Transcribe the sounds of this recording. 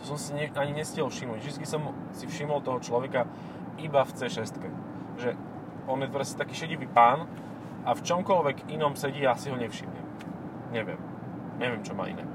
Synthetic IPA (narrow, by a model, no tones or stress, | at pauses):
sɔmsiɲɛaɲiɲɛscɛlfʃimuɟvʒd̪itt͡skisɔm | sifʃimɔlt̪ɔɦɔt͡ʃlɔʋɛka | ibaft͡sɛʃɛst̪kɛ | ʒɛ | ɔnjɛt̪ɔɾɛsɛ̥t̪akiːʃɛɟiʋiːpaːn | aft͡ʃɔmkɔlʋɛɡinɔmsɛɟiːasiɦɔɲɛfʃḭmɲɛ̰m | ɲɛʋɪɛ̰m | ɲɛʋɪɛmt͡ʃɔma̰ːʔḭnɛ̰